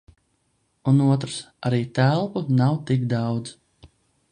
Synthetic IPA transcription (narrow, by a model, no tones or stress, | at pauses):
unuɔt̪ɾsaɾiːt̪ælˠpunawt̪ikd̪ɑwd̪z